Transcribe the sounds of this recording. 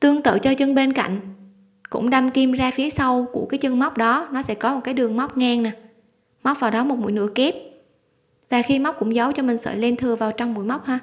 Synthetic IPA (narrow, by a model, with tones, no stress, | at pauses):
t̪ɨ˧əŋt̪ɨ̰ː˧˨t͡ɕɔ˧t͡ɕɨ˧ŋɓe˧nka̰˧˨jŋ̟ | kʊ̰˧˥ŋ͡mɗa˧mki˧mzaː˧fi˨˦əsa˧wku˧˩əkaː˨˦jt͡ɕɨ˧ŋma˦˥k͡p̚ɗɔ˨˦nɔ˨˦sɛ̰˧˥kɔ˨˦m˨˩t̚kaː˨˦jɗɨ˨˩əŋma˦˥wk͡p̚ŋɛː˧ŋnaː˨˩ | ma˦˥k͡p̚vaː˨˩wɗɔ˨˦mo˨˩t̚mṵ˧˨jnɨ˧˩əke˦˥p̚ | vaː˨˩xi˧ma˦˥k͡p̚kʊ̰˧˥ŋ͡mzə˨˦wt͡ɕɔ˧mï˨˩ŋ̟sə̰ː˧˨jle˧nt̪ʰɨ˨˩əvaː˨˩wt͡ɕɔ˧wŋ͡mmṵ˧˩˨jma˦˥k͡p̚haː˧